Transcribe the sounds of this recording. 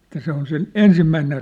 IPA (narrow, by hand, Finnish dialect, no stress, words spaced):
etːæ se on sen ensimːæiner